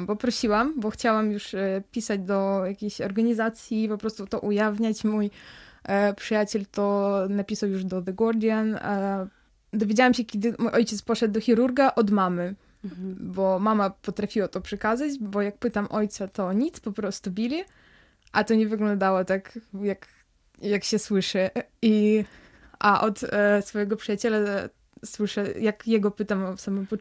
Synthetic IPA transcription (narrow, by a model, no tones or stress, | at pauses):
bɔpɾɔɕiwambɔxt͡ɕawamjuʂpʲisad͡ʑd̪ɔjakʲeɕɔɾɡaɲizat̪sʲjipɔpɾɔst̪ut̪ɔʔujavɲat͡ɕmuj | pʂɨjat͡ɕɛlt̪ɔnapʲisawjuʐd̪ɔðɛɡɔɾd̪ʲjan | d̪ɔvʲjed͡ʑawamɕɛkʲɛd̪ɘmujʔɔjt͡ɕɛt̪spɔʂɛd̪d̪ɔxʲiɾuɾɡaʔɔd̪mamɘ | bɔmamapɔt̪ɾafʲiwat̪ɔpʂɛkazad͡ʑbɔjak̚pɘt̪amʔɔjt̪sat̪ɔɲit̪spɔpɾɔst̪ubʲilʲi | ʔat̪ɔɲɛvɘɡlɔ̃nd̪awɔt̪akjak | jakɕɛswɘʂɨi | ʔaʔɔt̪sfɔjɛɡɔpʂɨjat͡ɕɛla | swɘʂɛjakjɛɡɔpɘt̪amsamɨmpɔ